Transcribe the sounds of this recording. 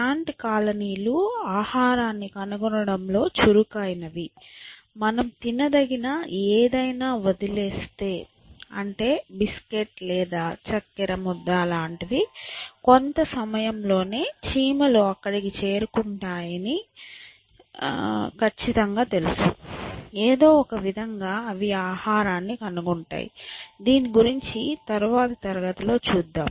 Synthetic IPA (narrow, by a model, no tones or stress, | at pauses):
aːɳʈikaːlɐniːluaːhaːɾaːnːikɐnɐɡɔnɐɽɐmlo̞ːt͡ʃuɾukaːjinɐʋi | mɐnɐmt̪inɐd̪ɐɡinɐeːd̪ɐjnaːʋod̪ileːst̪e̞ː | ɐ̰ɳʈe̞ːbiske̞ʈlɛːd̪aːt͡ʃɐkːɐɾɐmɔd̪ːaːlaːɳʈid̪ikont̪ɐsɐmɐjɐmlo̞ːne̞ːt͡ʃiːmɐluɐkːɐɽikit͡ʃe̞ːɾukuɳʈaːjɐni | kʰɐt͡ʃːit̪ɐŋɡaːt̪e̞lusu | eːd̪o̞ːɔkɐʋid̪ʱɐŋɡaːɐʋijaːhaːɾaːnːikɐnuɡuɳʈa̰ːjḭd̪iːniɡuɾiɲt͡ʃit̪ɐɾuʋaːt̪ɐt̪ɐɾɐɡɐt̪ulo̞ːt͡ʃuːd̪ːa̰ːm